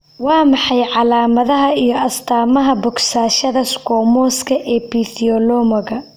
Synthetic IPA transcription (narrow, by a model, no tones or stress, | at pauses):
wɑːmɑħɑjʕɑlaːmɐðɐɦɐijɞɐst̪ʰaːmɐɦɐbʊksaːʃɐðɐskʰɔːmɔːskʰɐʔɛːpiθiɔlɔːmɐɣɐ